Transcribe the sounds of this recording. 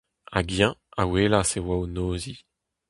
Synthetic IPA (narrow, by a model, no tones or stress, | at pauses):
a̰ɡjɛ̃aweːlasewawnoːzi